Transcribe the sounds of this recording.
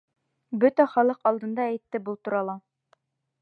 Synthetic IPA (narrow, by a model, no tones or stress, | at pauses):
bɵt̪æχɒlˠɤqɒlˠd̪ɤ̆nd̪ɑːjt̪ːɘbulˠt̪ŭɾɑlˠɑ